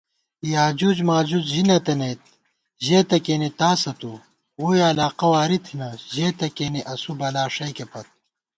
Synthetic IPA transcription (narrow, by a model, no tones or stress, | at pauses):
jaːd͡ʑuːd͡ʑmaːd͡ʑuzʑinɐt̪ɐneːt̪̚ | ʑeːt̪ɐkeːnit̪aːsɐt̪u | wujɐlaːqɐwaːɾit̪ʰinɐʑeːt̪ɐkeːniʔɐsubɐlaːʂɐjkepɐt̪̚